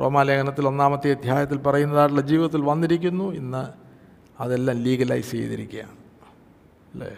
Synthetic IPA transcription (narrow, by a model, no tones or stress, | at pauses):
proːmaːleɡɐnɐt̪ːilo̞nːaːmɐt̪ːiɐd̪ʱjaːjɐt̪̬ːilpɐrɐjunːɐðaːʈ̬uɭːɐd͡ʑiːʋiðɐt̪̬ːilʋɐnːiɾikʲːunːuenːɨ | ɐðe̞lːaːmliːɡɐla̰ːjisḛjiðḭɾḭkʲːuja̰ːm | lḛː